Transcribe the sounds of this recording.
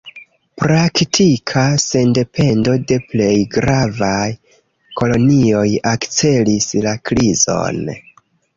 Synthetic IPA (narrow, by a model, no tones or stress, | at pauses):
pɾaktʰikʰase̞nde̞pʰe̞ndo̞de̞ple̞jɡɾavaj | ko̞lo̞nio̞jakt͡se̞lislakɾizo̞̰n